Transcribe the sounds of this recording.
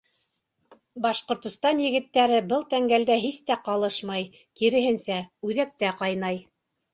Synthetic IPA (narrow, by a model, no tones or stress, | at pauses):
bɑʃqŏɾt̪ŏst̪ɑnjɘ̆ɣɘ̆t̪ːæɾɘbɤlˠt̪æŋɡæld̪æɦist̪æqɑlˠɤʃmɑj | kiɾɘ̆ɦɘnsæʉðæk̚t̪æqɑjnɑj